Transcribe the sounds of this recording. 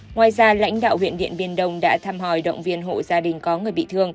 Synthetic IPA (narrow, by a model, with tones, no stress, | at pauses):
ŋwaː˨˩jzaː˧la̰˧˥jŋ̟ɗa̰ː˧˨whwḭ˧˨ənɓḭ˧˨ənɓi˧ənɗə˧wŋ͡mɗa̰ː˧˥t̪ʰaː˧mɦɔ˧˩jɗə̰˧˨wŋ͡mvi˧ənɦo̰˧˨zaː˧ɗï˨˩ŋ̟kɔ˨˦ŋɨ˨˩əjɓḭ˧˨t̪ɨ˧əŋ